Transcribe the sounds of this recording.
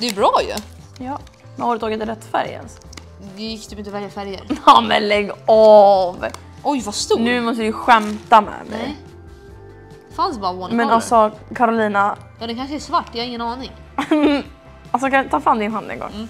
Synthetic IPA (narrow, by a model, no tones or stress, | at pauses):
d̪ɛɛbɾɑːjɵ̰ | jɑː | mɛhoːɾət̪ʰːɑːɡɪt̪ɪɾɛt̪ːfæ̰ɾjɛ̰ns | d̪ɛjɪkːd̪ɔmɪnt̪ɔvɛljafæɾjəɾnːmɛ̰nlɛɡːɑv | ɔjvast̪unʉ̟ːmɔst̪əd̪əɧɛmt̪amɛ̰mɛ̰j | dfansbɑːɾaɔmɛnalsɔkʰaɾʊliːna | jɑːd̪ɛkʰanʂəɛʂvaʈːɛjhaɾɪŋːənɑːnɪŋ | als̬ɔkat̪ʰɑːfɾamːd̪ɪnhfand̪ɛ̰ŋɡɔ̰ŋː